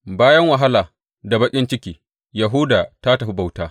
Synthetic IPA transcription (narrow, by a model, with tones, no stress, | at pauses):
baː˦jɐ˦ŋwɐ˨ɦa˦laː˨ | da˨bɐ˦kʲʼɪ˦nt͡ʃɪ˦kʲiː˨ | ja˨ɦu˦daː˨ta˦ta˨ɸi˦ba˨wtaː˦